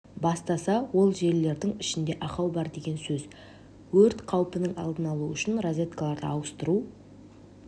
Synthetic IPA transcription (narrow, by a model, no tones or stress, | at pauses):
bɑst̪ɑsɑwo̞lˠʒe̞ɾlːe̞ɾd̪ɪŋɪʃɪnd̪e̞ʔɑqɑwbɑɾd̪e̞ɡʲe̞nsɵz | wɵɾt̪qʰɑwpənəɴɑ̰lˠd̪ənɑlˠuʏʃɪnrozʲet̪kalˠɑɾd̪əɑwəst̪əɾu